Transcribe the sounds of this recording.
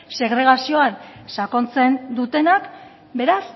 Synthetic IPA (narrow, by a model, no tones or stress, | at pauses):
se̞ɣɾe̞ɣ̞asio̞ansako̞nt͡se̞nd̪ut̪e̞nak | be̞ɾas